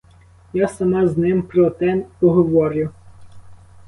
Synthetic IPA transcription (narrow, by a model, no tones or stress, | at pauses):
jasɐmɑznɪmpɾɔt̪ɛnpɔɦɔʋɔɾʲʊ